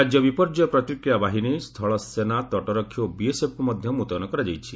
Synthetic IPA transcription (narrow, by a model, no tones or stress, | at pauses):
ad͡ʒjɔbipɔɾd͡ʒɔpɾɔt̪ɾikɾijabaɦinist̪ʰɔɭɔsːenat̪ɔʈɔɾɔkʰːjobiesepʰɔmɔd̪ʱjɔmut̪ɔnɔkɔɾad͡ʒajt͡ʃʰi